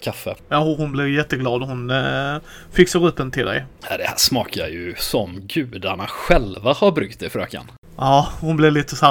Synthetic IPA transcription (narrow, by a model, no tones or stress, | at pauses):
kʰafːəjɑːhʊhʊnblɪɾjɛt̪ːəɡlɑːd̪ɔhʊn | fɪksaɾɵpːənt̪ʰɪld̪ɛ̰jjɑd̪ɛhæʂmɑːkʰajɵsɔmɡʉ̟ːd̪aɳaɧɛlvahaɾbɾʉk̚t̪̚ɛfɾø̰ːka̰n | jɑːhʊnblɪliːt̪əsa